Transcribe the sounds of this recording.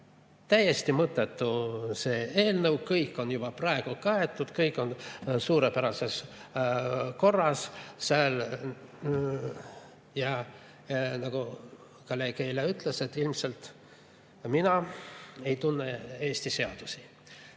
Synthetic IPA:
t̪æjːe̞st̪imɤt̪ːˑe̞t̪ːuse̞ːe̞ːlnɤwkɤjkːˑo̞njub̥ɑprɑe̞ɡ̥ukɑet̪ːˑud̪̥kɤjkːˑo̞nsuːɾepæɾɑse̞s | ko̞rːɑssɑl | jɑ | nɑɡ̥u | kɑlekeileyt̪ˑlese̞t̪ːˑilmse̞lt̪ | minɑe̞jt̪unːeeːst̪ise̞ɑd̪̥usi̥

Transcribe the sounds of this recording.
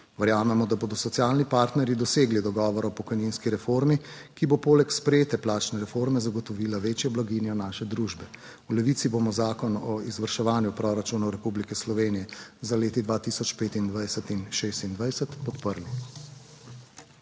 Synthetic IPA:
ʋɛɾjaːmɛmɔd̪aboːd̪ɔsɔt̪sjaːlnipaːɾt̪nɛɾjid̪ɔseːɡlid̪ɔɡɔːʋɔɾɔpɔkɔjninskiɾɛfoɾmikibopoːlɛkspɾɛjeːt̪ɛplaːt͡ʃnɛɾɛfoɾmɛzaɡɔt̪ɔʋiːlaʋeːt͡ʃjɛblaɡinjɔnaːʃɛd̪ɾuʒbɛ | ulɛʋiːt̪sibomɔzaːkɔnɔizʋəɾʃɛʋaːnjupɾɔɾat͡ʃunɔwɾɛpublikɛslɔʋeːnijɛzaleːt̪id̪ʋaːt̪isɔt͡ʃpeːt̪ind̪ʋajsɛt̪inʃeːst̪ind̪ʋajsɛt̪pɔt̪pəɾli

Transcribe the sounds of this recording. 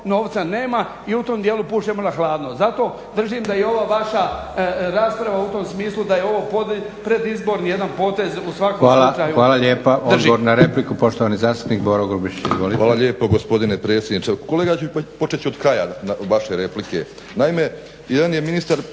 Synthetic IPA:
no̞ːʋt̪sane̞ːma | iut̪o̞md̪je̞ːlˠupuːʃt͡ɕemo̞naxlˠaːd̪nozat̪o̞ | d̪r̩ʒimd̪ajeo̞ʋaːʋaʃa | ɾaːspɾaʋaut̪o̞msmiːslˠud̪ajeo̞ʋo̞ːpod̪ | pɾe̞d̪izbo̞ɾnijed̪anpo̞ːt̪e̞zusʋakoʋaːlat͡ʃaːjuʋaːlaʎjeːpaʔoʒoɾnaɾeplikupo̞ʃt̪oʋanizaːst̪u̥pniːkboɾoɡubit͡ʃḭzʋo̰liʋaːlˠaʎeːpoɡospo̞d̪inepɾe̞ːt̪sʲjed̪nit͡ʃekoleːɡat͡ɕupo̞t͡ʃet͡ɕiod̪kɾajanaʋaʃeɾeplikḛ | naime | jed̪anjeminist̪aɾ

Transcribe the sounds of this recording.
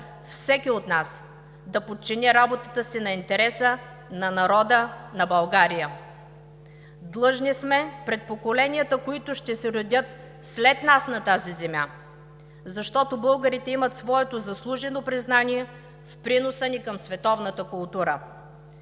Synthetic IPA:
fsɛkʲiot̪nas | d̪ɐpot̪̚t͡ʃinʲɛɾabot̪ət̪əsinɐint̪ɛɾɛsə | nɐnɐɾɔd̪ənɐbɐlˠɡaɾijə | d̪lˠɤʒnismɛpɾɛt̪̚pokolɛnijət̪əkoit̪ʊʃt̪ɛsɛɾʊd̪ʲət̪ | slɛt̪nasnɐt̪azizɛmʲja | zɐʃt̪ɔt̪obɤlˠɡəɾit̪ɛimət̪svɔɛt̪ozɐslˠuʒɛnopɾiznaniɛ | fpɾinosənikɐmsvɛt̪ɔvnət̪əkʊlˠt̪uɾə

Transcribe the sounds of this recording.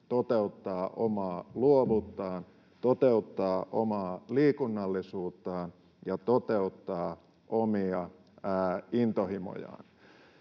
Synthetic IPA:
t̪ot̪eut̪ːɑːʔomɑːluoʋut̪ːɑːn | t̪ot̪eut̪ːɑːʔo̰mɑːliːkunːɑlːisuːt̪ːɑːn | jɑt̪ot̪e̞ut̪ːɑː | ʔomiɑ | int̪ohimo̰jɑ̰ːn

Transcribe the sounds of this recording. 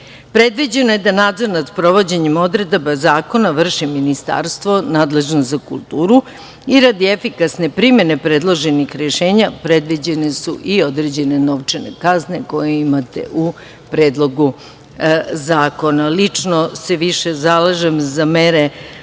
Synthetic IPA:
pɾe̞d̪ʋid͡ʑe̞noje̞d̪anaːd̪zoɾnat̪pɾo̞ʋo̞d͡ʑeɲemo̞d̪ɾed̪bazaːko̞naʋr̩ʃiminist̪a̰ɾst̪ʋo̞naːd̪le̞ʒnozakṵlˠt̪uːɾu | iɾad̪iefikasne̞pɾimje̞ne̞pɾe̞d̪lˠo̞ʒenixɾeʃe̞ːɲapɾe̞d̪ʋid͡ʑe̞ne̞suʔio̞d̪ɾeːd͡ʑe̞ne̞no̞ʋt͡ʂenḛkazne̞ko̞jeimat̪e̞̰ʔu | pɾeːd̪lˠo̞ɡu | zaːko̞nalit͡ʂnose̞ʋiʃezalaʒemzameɾe

